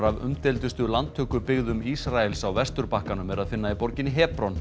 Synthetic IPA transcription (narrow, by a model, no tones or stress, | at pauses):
ɾavʏ̰mt̪ɛlt̪ʏst̪ʏlant̪ʰːʏːkʏpɪɣðʏmisɾaɛlsawvɛst̪ʏɾpahkanʏmɛɾaðfɪnːaipɔɾcɪnɪɦɛːpɾɔn